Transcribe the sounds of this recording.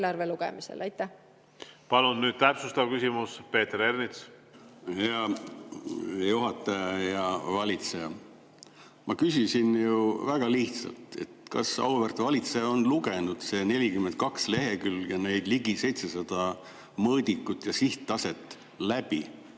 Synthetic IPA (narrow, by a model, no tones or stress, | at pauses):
lɑrveluɡ̥ḛmisḛlɑjt̪ːˑæ | pɑlunnyːd̥̪̚t̪æpsust̪ɑvkysimuspe̞ːt̪eɾernit̪s | heɑ | juɦɑt̪ːˑɑjɑjɑvɑlʲit̪se̞jɑ | mɑkysisinjuvæɡ̥ɑliht̪sɑ̰lt̪e̞̰t̪kɑ̰sɑ̰wvert̪vɑlʲit̪sejɑonluɡe̞nud̪̥se̞ne̞lʲikymːent̪̚kɑksle̞ɦe̞kyljɑne̞jd̪̥liɡise̞jt̪se̞sɑd̪̥ɑ | mɤːd̪ikːˑut̪ːjɑsiht̪ːɑse̞t̪ːˑ | læb̥i